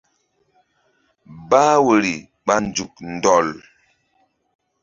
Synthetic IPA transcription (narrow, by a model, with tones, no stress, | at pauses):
baː˦wə˨ɾi˨ | ɓa˦n˨d͡ʒu˨k̚n˨dɔ˨l